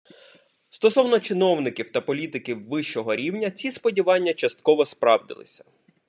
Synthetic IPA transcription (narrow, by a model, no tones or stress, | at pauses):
st̪ɔsɔwnɔt͡ʃɪnɔwnɪkʲiwt̪ɐpɔlʲit̪ɪkʲiwːɪʃt͡ʃɔɦɔɾʲiwnʲɐt͡sʲispɔdʲiʋɑnʲːɐt͡ʃɐst̪̚kɔʋɔspɾɑwd̪ɪ̰lˠɪ̰sʲɐ̥